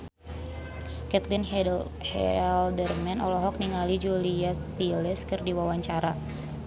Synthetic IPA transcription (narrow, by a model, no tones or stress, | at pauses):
kɛt̪lin | hɛldərmɛnɔlɔɦɔk̚niŋalid͡ʒuliast̪ilɛskɨrdiwawaɲt͡ʃaɾa